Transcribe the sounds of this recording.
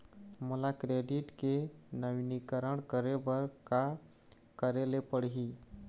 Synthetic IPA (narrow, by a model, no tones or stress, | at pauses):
mulakɾeɖiʈke | nəʋinikəɾəɳkəɾebəɾka | kəɾelepəɽɦi